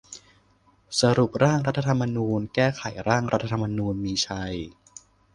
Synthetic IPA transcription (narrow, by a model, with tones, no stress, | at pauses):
sa˧ɾu˨˩p̚ɾaː˥˩ŋɾa˦˥t̪ʰːa˧t̪ʰa˧mːa˧nuː˧nkɛː˥˩kʰa˨˩˦jɾaː˥˩ŋɾa˦˥t̪ʰːa˧t̪ʰa˧mːa˧nuː˧nmiː˧t͡ɕʰa˧j